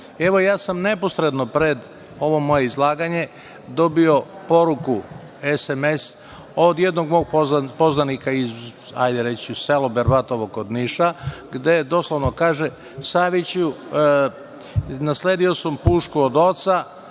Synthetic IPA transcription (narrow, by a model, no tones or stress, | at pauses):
eʋo̞jaːsamne̞po̞sɾed̪no̞pɾed̪ | o̞ʋo̞mo̞je̞izlˠaːɡaɲe̞ | d̪o̞bio̞po̞ɾuku | esemes | od̪jed̪no̞ɡmo̞ːɡ̚pozapo̞znanikaiz | a̰jd̪eɾet͡ɕuselobeɾbat̪oʋoɡod̪niʃaɡd̪ed̪o̞slˠoʋnokaːʒe | saʋit͡ɕu | nasleːd̪io̞sampuːʃkuod̪o̞t̪sa